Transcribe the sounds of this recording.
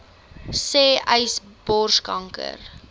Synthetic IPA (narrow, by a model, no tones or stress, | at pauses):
seːʔəjs | b̥ɔrskɐŋkə̰r